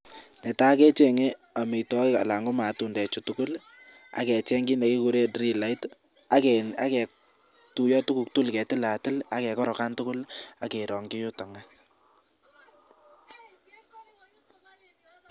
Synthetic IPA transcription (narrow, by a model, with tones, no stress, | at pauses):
nɛ˨ta˦kɛ˦t͡ʃe˦˨ŋe˦ | a˨me˨tɔ˦ka̰˨la˨ŋɡo˦ma˨tu˨ndɛ˨t͡ʃu˨tʊ˦kʊ˦l | a̰˦kɛ˨t͡ʃɛ˦ŋɡi˦nde˨ki˦ku˨ɾe˦dɾi˦la˨˦i˦t | a˦kɛna̰˦kɛ˨ | tu˨jɔ˦tu˦ku˨k̚tu˦lkɛ˨tɪ˦la˨tɪ˦la˦kɛ˨kɔ˦ɾɔ˨ka˦ntʊ˦kʊ˦la˦ke˨ɾɔ˨ŋɡɪ˦jʊ˦tɔ˨ŋa˦